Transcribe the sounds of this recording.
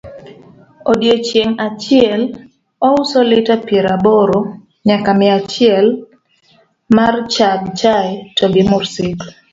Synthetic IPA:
odjet͡ʃeŋat͡ʃɪɛl | ɔʊsolɪtapjeɾaboɾo | ɲakamɪat͡ʃɪɛl | mart͡ʃaɡt͡ʃaɛtoɡɪmʊrsɪt

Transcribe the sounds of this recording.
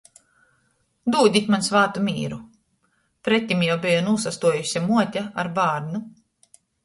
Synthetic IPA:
d̪uːd̪ʲit̪ʲmansvaːt̪umʲḭːɾu | pɾɛt̪ʲːimjawbijɔnuːsast̪uɔjusʲamuɔt̪ʲaa̰ɾbaːɾnu

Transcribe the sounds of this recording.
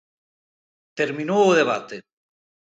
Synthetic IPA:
t̪eɾminoːðeβa̰t̪e

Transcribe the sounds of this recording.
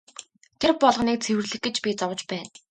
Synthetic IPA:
t̪ʰerpɔɮʁniːk̚t͡sʰewɘ̆rɮɘ̆x̚ɡĕt͡ɕpʲit͡sɔwə̆t͡ɕpæːn

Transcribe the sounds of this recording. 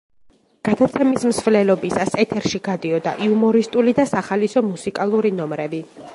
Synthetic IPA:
ɡ̥ad̪at̪sʰɛmismsvlɛlɔbisasɛt̪ʰɛɾʃiɡ̥ad̪iɔd̪a̰ʔiumɔɾist̪ʼulid̪asaχalisɔmusikʼalˠuɾinɔmɾɛbi

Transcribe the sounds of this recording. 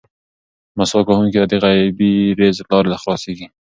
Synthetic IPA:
masɑkahuŋkid̪ad̪eɣajbiɾezlɑɾelaxlɑseɡi

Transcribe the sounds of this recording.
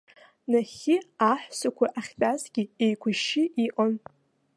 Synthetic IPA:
naχʲɪaħʷsakʷʰaʔaχʲtʼazɡʲɪejkʷʰʊʃɪʔiʔʼan

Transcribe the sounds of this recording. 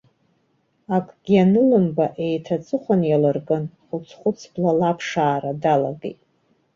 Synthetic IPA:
akʼɡ̥ʲianɨlɨmbaʔe̞jtʰat͡sʼɨχʷanjalɨrɡʼɨnχʊt͡sʰχʷʊt͡sʰblalapʰʂaːradalaɡḛjtʼ

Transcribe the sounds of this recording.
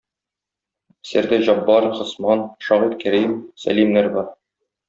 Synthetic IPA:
sɘ̆ɾd̪ɘʑɒbːɑɾχŏsmɑnʃɒʁit̪kæɾimsæ̰limnæɾbɒɾ

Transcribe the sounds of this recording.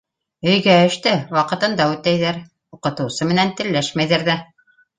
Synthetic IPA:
ɵ̆jɡæɘ̆ʃt̪ɘwɑqɤ̆t̪ɤ̆nd̪ɑʉt̪æjðæɾ | uqɤ̆t̪ɤ̆wsɤmɘ̆nænt̪ɘ̆lːæʃmæjðæɾðæ

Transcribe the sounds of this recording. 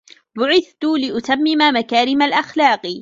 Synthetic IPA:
bʊʕɪθt̪ʊlɪʔʊt̪amːɪmamakaːɾɪmalʔaxlaːq

